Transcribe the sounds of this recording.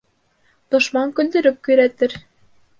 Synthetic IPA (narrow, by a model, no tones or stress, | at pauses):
d̪̥ŏʃmɑŋkɵ̆nd̪ɘ̆ɾɘ̆p̚ky̆jɾæt̪ɘ̆ɾ